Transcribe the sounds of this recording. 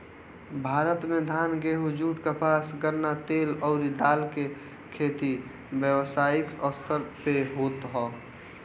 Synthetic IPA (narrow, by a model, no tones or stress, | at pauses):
bʱaːɾət̪mẽd̪ʱaːnɡeɦud͡ʒuːʈkapaːsɡəɾnat̪eːlɔːɾid̪aːlke | kʰeːt̪i | bjəwsaːɪkɔst̪əɾpeɦoːt̪ɦɔː